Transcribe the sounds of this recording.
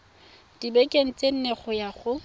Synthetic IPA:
d̥ibekʼeŋ̩t͡sʼen̩neχʊjaχʊ

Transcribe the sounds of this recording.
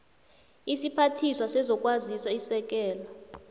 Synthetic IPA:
isipʰatʰiswasɛzɔkʼwaziswaisɛk̬ʼɛːla

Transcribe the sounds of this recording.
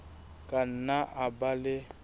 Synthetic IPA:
kʼan̩naʔabalɪ

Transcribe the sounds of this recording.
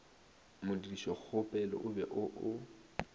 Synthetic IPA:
mʊdidiʃɔk͡xʊpʼɛlɔ̰ʔʊbɛʔʊʔʊ

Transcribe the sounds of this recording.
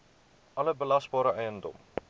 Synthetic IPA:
ʔɐləbəlɐsbɑːɾəɛjəndɔ̰m

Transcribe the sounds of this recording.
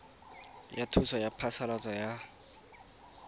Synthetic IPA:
jatʰusɔjapʰasalat͡sʼɔja

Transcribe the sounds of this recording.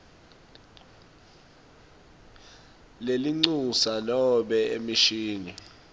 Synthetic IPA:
leliŋ͡ǀusalɔɓɛḛmiʃiːni

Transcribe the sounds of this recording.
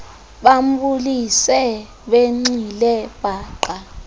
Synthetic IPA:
ɓam̩ɓulisɛ | ɓeŋ͡ǀilɛb̥ʱaːǃa

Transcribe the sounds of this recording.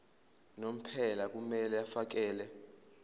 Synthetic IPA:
nom̩pʰɛlak̬ʼumɛlɛafak̬ɛːlɛ

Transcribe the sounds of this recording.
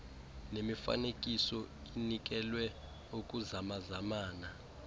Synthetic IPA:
nemifa̰nekʼisɔ | inik̬ʼɛlwɛ | ukʼuzamazamaːna

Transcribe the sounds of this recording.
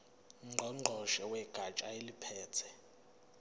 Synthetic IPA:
ŋ͡ǃʱɔŋ͡ǃʱɔʃɛwɛɡ̥ʱat͡ʃʼaelipʰɛːt͡sʰɛ

